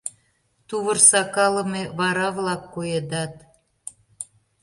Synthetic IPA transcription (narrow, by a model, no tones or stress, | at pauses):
t̪uβə̆rsɑkɑlə̆meβɑɾɑβlɑkːojed̪ɑt̪